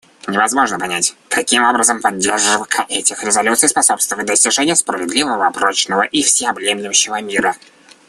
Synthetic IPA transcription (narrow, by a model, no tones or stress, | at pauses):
nʲɪvɐzmo̞ʐnəpanʲætʲkɐkʲimo̞bɾəzəmpɐdʲːerʐɨvkʰəʔɛtʲɪxɾʲɪzɐlʲut̪sɨjspɐso̞pst̪vəvət̚ʲd̪əsʲtʲɪʐɛnʲɪjəspɾəvʲɪd̪lʲivəvəɐpɾot͡ɕnəvəʔifsʲɪɐblʲemʲlʲɪʊɕːɪvəmʲiɾə